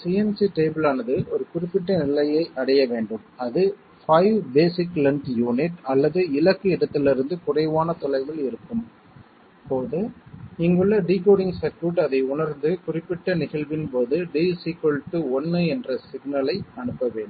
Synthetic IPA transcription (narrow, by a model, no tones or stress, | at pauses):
siːɛnsiʈeːbɯlaːnɐðɯʔɔɾɯkʊrɪpːɪʈːɐnɪlɐjɐɪʔɐɽɐjɐʋeːɳɖɯmɐðɯ | fɐɪʋbeːsɪklɐɳʈjuːnɪʈɐlːɐðɯɪlɐkːɯɪðɐt̪ːɪlɪɾɯnd̪ɯkʊrɐɪʋaːnɐt̪ɔlɐɪʋɪlɪɾɯkːɯm | poːðɯɪŋɡɯɭːɐɖiːkoːɽɪŋɡsɐkːuːʈɐðɐɪʊɳɐɾnd̪ɯkʊrɪpːɪʈːɐnɪɣɐɭʋɪnpoːðɯɖiːsikolʈːɯɔnːɯɛndrɐsɪɡnɐlɐɪɐɳɯpːɐʋeːɳɖɯm